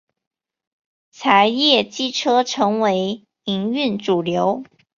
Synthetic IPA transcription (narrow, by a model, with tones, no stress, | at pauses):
t͡sʰa˧˥ɪjɛ˥˩t͡ɕi˥ʈ͡ʂʰɤ˥ʈ͡ʂʰɤ˧˥ŋwe˧˥ɪ | i˧˥ŋy˥˩nʈ͡ʂu˨˩ljo˧˥ʊ